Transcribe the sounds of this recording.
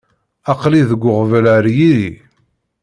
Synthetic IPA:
ɑqliðəɡʷːʊʁvələɾjiɾi

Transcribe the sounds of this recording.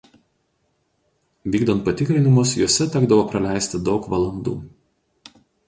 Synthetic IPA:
ʋʲiːɡd̪ɐnt̪̚pɐt̪ʲɪkɾʲɪnʲɪmʊs̬juɔsʲɛt̪ʲɛɡd̪ɐʋoːpɾɐlʲæˑɪsʲt̪ʲɪd̪ɒʊkʋɐlˠɐnd̪ṵː

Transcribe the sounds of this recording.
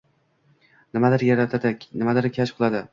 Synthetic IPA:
nɪmad̪ɪɾjaɾat̪ʰad̪ɪnɪmad̪ɪɾkʲʰaʃqʰɨlˠad̪ɪ

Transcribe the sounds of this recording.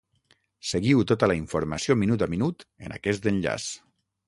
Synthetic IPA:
seɣiwt̪ot̪əlaiɱfuɾmasiominut̪aminut̪ə̰nʔa̰kɛst̪ənʎa̰s

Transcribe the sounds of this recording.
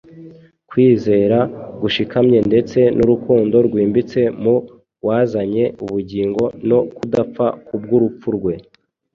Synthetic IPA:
kwiːze̞ːɾaɡuʃikʰamɲe̞nde̞t͡se̞nʔuɾukuːndo̞ɾɡwiːmbit͡se̞mu | waːzaɲe̞uβuɟiːŋɡo̞no̞kudap͡fakub̚ɡuɾup͡fuɾɡwe̞

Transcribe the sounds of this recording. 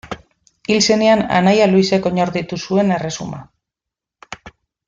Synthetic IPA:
ilse̞ne̞ana̰najaluise̞ko̞ɲoɾðit̪usue̞ne̞re̞suma̰

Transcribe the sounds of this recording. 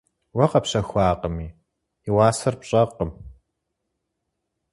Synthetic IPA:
wɐqɐpɕɐxʷaːqəmiː | iwɑːsɐrpɕʼɐqʼəm

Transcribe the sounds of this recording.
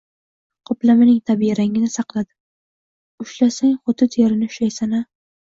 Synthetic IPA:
qʰʊplamɪnɪŋt̪ʰabijɾaŋɪnɪsɑqlˠad̪ɪ̥ | ʊʃlasaŋχʊt̪ʰɪt̪ʰeɾɪnɪʊʃajsana

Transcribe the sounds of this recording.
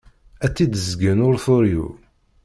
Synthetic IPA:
æt͡sːid̪əzɡənʊɾθʊɾjṵ

